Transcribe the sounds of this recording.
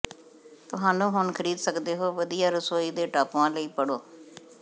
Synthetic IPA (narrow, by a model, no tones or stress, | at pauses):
t̪ʊɦãːnũːɦʊɳkʰəɾiːd̪səkd̪eːɦoːʋəd̪ijaːɾəsoːiːd̪eːʈaːpʋãːləiːpəɽoː